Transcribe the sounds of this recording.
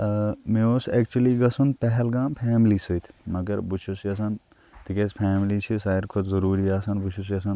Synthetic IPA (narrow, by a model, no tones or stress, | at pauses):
meoːsɛːkt͡ʃuɐliɡɐsunpɛɦɛlɡãːmpʰɛːmlisɨjt̪ʰmɐɡɐɾbut͡ʃʰusiɐsɐn | t̪ikespʰaːmlit͡ʃʰisaːɾkʰut̪zɐɾuːɾiaːsɐnbut͡ʃʰusiɐsɐn